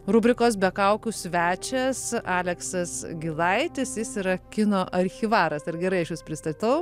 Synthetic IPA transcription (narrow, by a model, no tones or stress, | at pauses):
rʊbʲɾʲɪkoːs̬bʲɛkɐʊkʲusʲʋʲæːt͡ʃʲɛsɑːlʲɛksɐsɡʲɪlˠɐɪt̪ʲɪsjɪsɪɾɐkʲɪnoːʔɐɾʲxʲɪʋɑːɾɐsɐrɡʲɛɾɐɪɐʃjʊspʲɾʲɪst̪ɐt̪ɐʊ